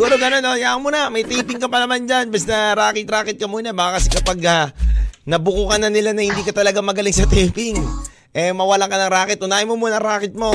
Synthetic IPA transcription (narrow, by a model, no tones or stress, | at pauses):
ɡuːɾoɡɐno̞nojaːŋmuːnɐmɐjt̪ɛːpɪŋkɐpɐnɐmand͡ʒanbɐst̪ɐɾaːkɪt̪ɾaːkɪt̪̚kɐmuːnabaːkɐkɐsɛkɐpaɡɐnɐbʊkuːkɐnːɐnɪlanɐhɪnd̪iːkɐt̪ɐlɐɡamɐɡɐlɪŋsɐt̪ɛpɪŋ | ʔɛmɐwɐlaŋkɐnɐŋɾaːkɪt̪ʔʊnaːjɪmomuːnɐɾaːkɪt̪̚mo̞